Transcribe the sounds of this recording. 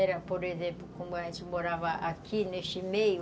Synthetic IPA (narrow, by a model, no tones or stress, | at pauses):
ɛɾɐpoɾezẽmplukũbaet͡ʃimoɾavaʔakʰinesimeju